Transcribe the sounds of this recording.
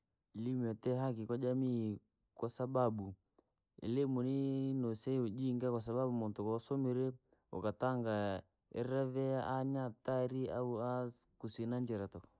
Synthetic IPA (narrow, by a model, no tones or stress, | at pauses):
ilimɔtɛɦak̬ikwad͡ʒamiː | kwasaɓaɓu | ɛ̰limuninɔsɛiud͡ʒiŋɡakwasaɓaɓumɔntukɔsɔmiɾɛ | ɔ̰kataŋɡa | ɛ̰ɾɾavɛaʔaɲataɾiauakusinaɲd͡ʒɛɾatɔk